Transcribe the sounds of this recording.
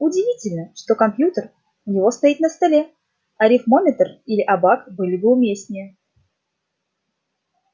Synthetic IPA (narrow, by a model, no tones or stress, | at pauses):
ʊdʲɪvʲitʲɪlʲnəʂt̪o̞kɐmpjut̪ər | ʊnʲɪvo̞st̪ɐit̪nəst̪ɐlʲe | ɐɾʲɪfmomʲɪt̪ərilʲɪʔɐbakbɨlʲɪbəʊmʲesʲnʲɪjə